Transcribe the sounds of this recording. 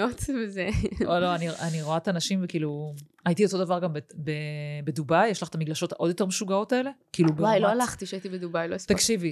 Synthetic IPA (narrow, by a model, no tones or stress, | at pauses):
ot̪vezeoloanianiʁoat̪anaʃimvekiːlu | ajit̪io̞t̪o̞davaʁɡambebebed̪ubajːeʃlaχt̪amiɡlaʃo̞to̞d̪jo̞t̪e̞ʁmeʃuɡao̞taele̞kiːlubbajloalaχt̪iʃait̪ibed̪ubajloist̪akʃivi